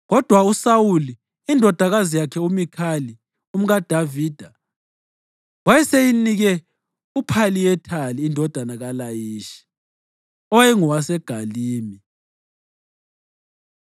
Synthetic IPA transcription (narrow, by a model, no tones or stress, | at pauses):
ɣɔd̥ʱwausawuliː | ndʱɔd̥ʱaɣazijakʰɛumikʰali | um̩ɣad̥ʱaviːd̥ʱa | wajɛsejiniɣɛ | upʰalijɛtʰaliːndʱɔd̥ʱanaɣalajiːʃi̥ | ɔjɛŋɔwasɛɡ̥ʱaliːmi